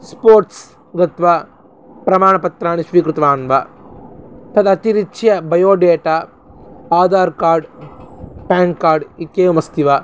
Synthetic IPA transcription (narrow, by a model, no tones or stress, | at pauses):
spoːɾʈs | ɡɐt̪ʋa | pɾɐmaːɳɐpɐt̪ɾaːɳiʃʋiːkɾɪt̪ʋaːnʋɐ | t̪ɐd̪ɐt̪iɾit͡ʃjɐbɐjoːɖeːʈaː | aːd̪aːɾkaːɾɖ | paːŋkkːaːɾɖit̪jeːʋɐmɐst̪iʋa